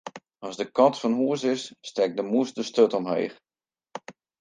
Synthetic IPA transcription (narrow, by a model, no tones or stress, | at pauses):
ɑzdəkɑtfɔnhuəsɪsːtɛk̚dəmuəsdəstøtɔmɦḛːx